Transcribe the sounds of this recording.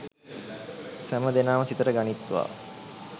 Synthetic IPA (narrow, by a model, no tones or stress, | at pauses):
sæməd̪enaːməsit̪əɾəɡanit̪ːuʋa̰ː